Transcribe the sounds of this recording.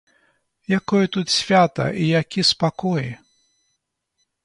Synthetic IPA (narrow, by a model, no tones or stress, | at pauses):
jakɔjɐt̪ut̪sʲvʲat̪ɐ̰ʔijakʲispakɔj